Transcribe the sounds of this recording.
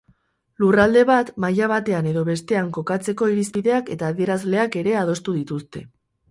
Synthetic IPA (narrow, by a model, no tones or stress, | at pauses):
lurald̪e̞βat̪majaβ̞at̪e̞ane̞ðo̞βe̞st̪e̞aŋko̞kat͡se̞ko̞iɾispiðe̞ake̞t̪aːðie̞ɾazle̞ake̞ɾe̞að̞o̞st̪uðit̪ust̪e̞